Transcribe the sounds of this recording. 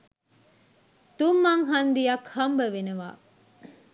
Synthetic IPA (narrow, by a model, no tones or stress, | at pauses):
t̪umːɐŋɦɐnd̪ijɐkhɐmbəʋeneʋa̰ː